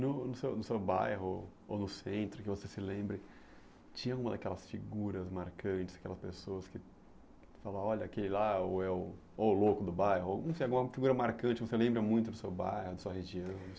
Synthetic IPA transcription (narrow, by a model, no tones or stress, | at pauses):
nʊnʊsewnʊsewba̰jɦʊ | onʊsẽnt̪ɾʊkɪvosesɪlẽmbɾɪ | t͡ʃĩɲɐaɡũmɐd̪a̰kɛlɐsfiɡuɾɐzmaɾkɐ̃t͡ʃɪ̥z̥ḁkɛlɐspesoɐskɪ | falaɔʎɐakelɪlaoɛʊ | olokʊd̪ʊbajɦʊonɐ̃w̃sejaɡũmɐfiɡuɾɐmaɾkɐ̃t͡ʃɪvoselẽmbɾɐmũj̃t̪ʊd̪ʊsewba̰jhʊd̪ɐsuɐɦeʒiɐ̃w̪̃